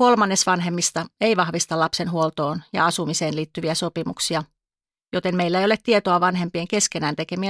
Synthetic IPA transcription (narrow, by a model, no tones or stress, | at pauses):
ko̞lmɑnːe̞sʋɑnɦe̞mːist̪ɑeiʋɑhʋist̪ɑlɑpse̞nɦuolt̪o̞ːnjɑ̰ɑsumise̞ːnliːt̪ːyʋiæso̞pimṵksiɑ | jo̞t̪e̞mmeilːæeijolet̪tiet̪oɑʋɑnɦe̞mpieŋke̞ske̞næːnt̪e̞ke̞miæ